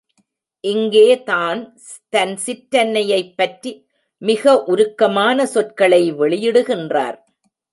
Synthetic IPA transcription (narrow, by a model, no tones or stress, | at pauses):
ʔɪŋɡeːt̪aːn | t̪ɐnsɪʈɾɐnːɐjɐɪpːɐʈɾi | mɪɣɐʔʊɾɯkːɐmaːnɐsɔtkɐɭɐɪʋɛɭɪjɪɽɯɣɪndra̰ːɾ